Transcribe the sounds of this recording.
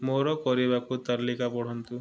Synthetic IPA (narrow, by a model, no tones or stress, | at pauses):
moɾɔkɔɾibakut̪aɾlikapɔɽ̤ɔnt̪u